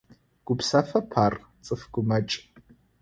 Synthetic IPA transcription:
ɡ̥ʷʊpsɐfɐpʰaːr | t͡sʼɨfɡ̥ʷʊmɐt͡ʃʼ

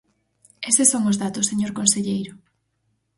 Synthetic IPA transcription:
esesoŋʊzðat̪ʊseɲoɾkonseʎejɾʊ

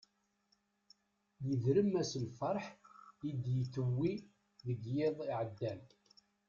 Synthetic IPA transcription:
jəðɾəmːæsəlfɑɾˤħid̪jəθəwːi | ðəɡjeðˤiʕəd̪ːæl

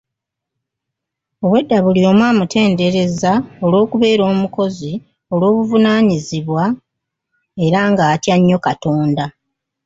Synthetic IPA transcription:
o̞βwe̞dːaβulio̞mwaːmutʰe̞ːnde̞ɾe̞zao̞lwo̞ːkuβe̞ːɾo̞ːmuko̞zi | o̞lwo̞ːβuvunaːɲiziβwa | e̞ɾaŋɡaːtjaɲːo̞kato̞ːnda

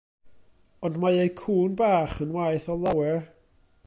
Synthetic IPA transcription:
ɔndmajejkʰuːnbaːχənwajθɔlˠawɛɹ

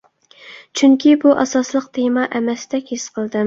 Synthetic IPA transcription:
t͡ʃʰyŋkʲʰibuʔɑ̰sɑslˠəq̚t̪ʰemɑʔɛmɛsɪd̪ɛkʲhesqʰəlˠd̪ɨ

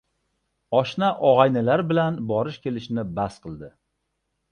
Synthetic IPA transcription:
ɒʃnaʔɒʁɑjnɪlaɾbɪlanbɒɾɪʃkʲe̞lɪʃɪnɪbasqʰɨlˠd̪ɪ

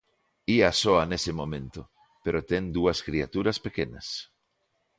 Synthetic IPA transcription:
iasoanesemõmẽnt̪o | peɾot̪end̪uaskɾiat̪uɾaspekena̰s

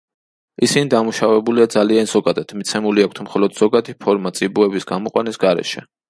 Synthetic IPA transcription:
isinid̪amuʃavɛbuliad̪zalianzɔɡad̪at̪ʰmit̪sʰɛmuliakʰt̪ʰmχɔlɔd̪z̥ɔɡad̪ipʰɔɾmat̪sʼibuɛbisɡamɔqʼwanisɡaɾɛ̰ʃɛ

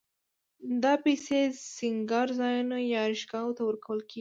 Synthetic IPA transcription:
d̪ɑpesesɪŋɡɑɾzɑjunojɑɾɪʃɡɑwot̪awəɾkawəlkeɡi

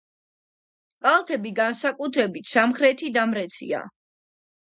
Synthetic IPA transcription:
qʼalˠt̪ʰɛbiɡansakʼut̪ʰɾɛbit̪ʰsamχɾɛt̪ʰid̪amɾɛt̪sʰḭa̰

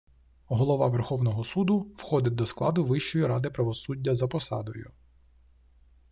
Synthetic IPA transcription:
ɦɔlˠɔʋɑʋerxɔwnɔɦɔsud̪ʊwxɔd̪ɪt̪̚ʲd̪ɔsklˠɑd̪ʊʋɪʃt͡ʃɔjiɾɑd̪ɪpɾɐʋɔsudʲːɐzɐpɔsɑ̰d̪ɔjʊ

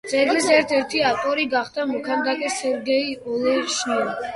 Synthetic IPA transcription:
d̪z̥ʼɛɡlisɛɾt̪ʰɛɾt̪ʰiaft̪ʼɔɾiɡaχd̪amɔkʰand̪akʼɛsɛɾɡɛiɔlɛʃnɛ

